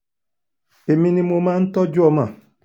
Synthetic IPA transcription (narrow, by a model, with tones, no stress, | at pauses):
e˨mi˦ni˦mo˨ma˦n̩˦tɔ˦d͡ʒʊ˦ɔ˦ma˨